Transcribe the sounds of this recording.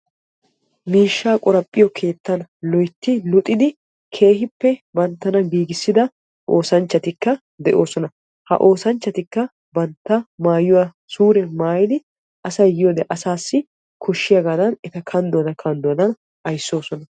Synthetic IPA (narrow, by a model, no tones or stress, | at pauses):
miːʃːaːkʼɔɾɐpʼːɪjɔkʰe̞ːt̪ːɐnlɔjt̪ːɪlʊt̪ʼɪd̪ɪ | kʰe̞ːhɪpːɛbɐnt̪ːɐnɐɡiːɡɪsːɪd̪ɐ | ʔo̞ːsɐnt͡ʃːɐt̪ɪkːɐ | d̪ɛʔo̞ːsɔnɐ | hɐ̰ʔo̞ːsɐnt͡ʃːɐt̪ɪkːɐ | bɐnt̪ːɐmaːjʊwa | suːɾɛmaːjɪd̪ɪ | ʔɐsɐjjɪjod̪ɛʔɐsaːsːɪ | kʰɔʃːɪjɐɡaːd̪ɐnɛt̪ɐkʰɐnd̪ɔɐd̪ɐkʰɐnd̪ɔɐd̪ɐn | ʔɐjsːo̞ːsɔnɐ